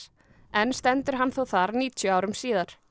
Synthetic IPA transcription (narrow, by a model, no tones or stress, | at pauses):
ɛnst̪ɛnt̪ʏɾ̥ɦanːθowθaɾniːt̪ʰjʏawɾʏmsiːðaɾ̥